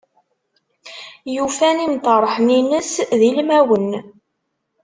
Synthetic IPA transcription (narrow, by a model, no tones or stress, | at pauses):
jufænimt̪ˤɑɾˤħəninəsðilmæwən